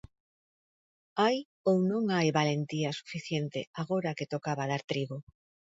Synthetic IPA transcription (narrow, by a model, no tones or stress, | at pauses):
aj | ownõŋajβalent̪iasu̥fiθjent̪eaɣoɾaket̪okaβað̞aɾt̪ɾiβo